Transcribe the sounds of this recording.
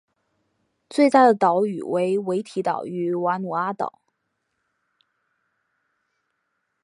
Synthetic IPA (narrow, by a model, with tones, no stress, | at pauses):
t͡swe˥˧ɪt̪a˥˩d̪ə˩t̪ɑ˧˥ʊy̰˨˩we˧˥ɪwe˧˥ɪt̪ʰi˧˥t̪ɑ̰˨˩ʊy˧˥wa˧˥nu˨˩a˥t̪ɑ̰˨˩˦ʊ